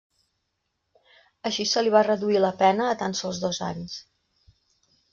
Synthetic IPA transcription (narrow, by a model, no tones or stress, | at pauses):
əʃisəliβarəðuiləpɛnəːt̪ansəlˠzðɔza̰ɲs